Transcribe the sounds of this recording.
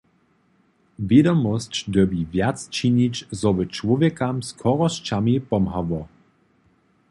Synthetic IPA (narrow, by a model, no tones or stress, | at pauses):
vjedɔmɔst͡ɕdəbivjat͡st͡ʃiɲit͡ʃzɔʋət͡ʃwɔvjɛkamskʰɔʁɔʃt͡ʃamipɔmɦavɔ